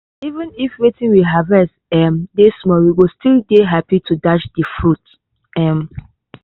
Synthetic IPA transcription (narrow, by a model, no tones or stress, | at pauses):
ivə̃nifɹitĩnwiɦavɛstɛmdesmɔwiɡostildeɦapitʰudat͡ʃdəfɹut | ɛm